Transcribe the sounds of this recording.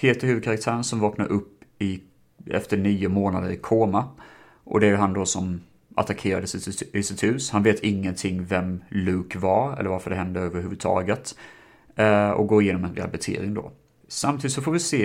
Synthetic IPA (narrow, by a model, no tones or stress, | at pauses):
pʰeːt̪əɾhʉ̟vd̪̚kʰaɾak̚t̪ʰæːɾənsɔmvɑːknaɾʔɵpːɪ | ɛ̰ft̪əɳiːʊmoːnad̪əɾɪkʰoːma | ʔɔ̰d̪ɛæjɵɦand̪ɔsɔm | ʔa̰t̪akʰeːɾad̪əsɪsɪt̪hʉ̟ːshanveːt̪ʰɪŋːənt̪ʰɪŋːvɛmlʉ̟ːkvaɾɛ̰lːəɾvaɾfəɖɛɦɛnd̪əøːvəɾɦʉːvɵd̪̚t̪ʰɑ̰ːɡət̪ | ɔ̰ɡoːɾɪjeːnɔmɛnɾḛa̰lbɛt̪ʰḛːɾɪŋd̪ɔ̰ | samt̪iːd̪t̪sɔfoːvɪseː